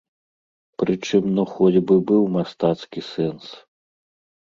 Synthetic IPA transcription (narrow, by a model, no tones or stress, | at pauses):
pɾɨt͡ʂɨmnɔxɔd͡zʲbɨbɨwmast̪at̪skʲisɛns